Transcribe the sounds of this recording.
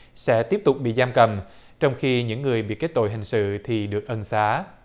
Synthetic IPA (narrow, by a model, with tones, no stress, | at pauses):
sɛ̰˧˥t̪i˦˥əp̚t̪ʊ˨˩k͡p̚ɓḭ˧˨zaː˧mkə˨˩m | t͡ɕɔ˧wŋ͡mxi˧ɲɨ̰˧˥ŋːɨ˨˩əjɓḭ˧˨ke˦˥t̚t̪o̰˧˨jɦï˨˩ŋ̟sɨ̰˧˨t̪ʰi˨˩ɗɨ˨˩ək̚ʔə˧nsaː˨˦